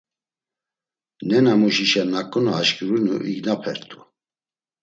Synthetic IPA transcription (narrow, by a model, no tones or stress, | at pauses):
nɛnamuʃiʃɛnakʼunaːʃkiɾunṵʔḭɡnapʰɛɾt̪ʰʼu̥